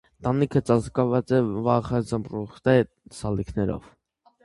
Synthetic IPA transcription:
t̪ɑnikʰət͡sɑzkɑvɑt͡sɛvɑχəzəmpruχt̪ɛ | sɑlikʰnɛɾɔ̰v

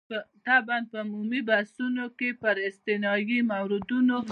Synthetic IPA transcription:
t̪ɑban̚pəmumibasunokepəɾɪst̪ɪnɑjimawɾɪd̪uno

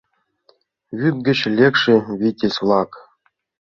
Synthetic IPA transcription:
βʲyk̚ɡʲɘ̆t͡ɕlʲekʂɘ̆βʲitʲesʲlˠɑk

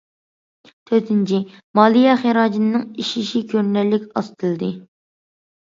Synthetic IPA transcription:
t̪ʰøɾt̪ʰɪnt͡ʃʰimɑlˠijɛχeɾɑːd͡ʒinnɨŋiʃiʃikʲʰøɾnɛɾlːɪkʲɑst̪ʰɨlˠɨd̪ɨ

